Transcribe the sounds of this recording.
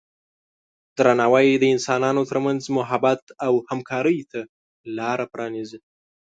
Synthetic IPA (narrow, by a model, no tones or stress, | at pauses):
d̪̥ɾanɑwajd̪əɪnsɑnɑnot̪əɾmanzmʊɦabat̪awhamkʰɑɾəjt̪a | lɑɾapɾʔɑnizi